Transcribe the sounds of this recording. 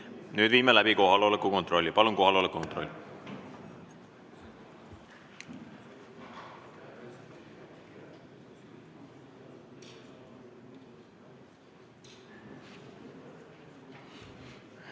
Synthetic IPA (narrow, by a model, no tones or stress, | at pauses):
nyːd̪viːmelæbiko̞ɦɑlolekːˑuko̞nt̪ro̞lʲːipɑlunko̞ɦɑlolekːˑukont̪ro̞̰lʲːi